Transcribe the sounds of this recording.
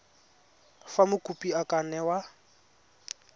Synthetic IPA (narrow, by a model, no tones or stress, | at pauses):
famʊkʼupʼiakʼanɛwa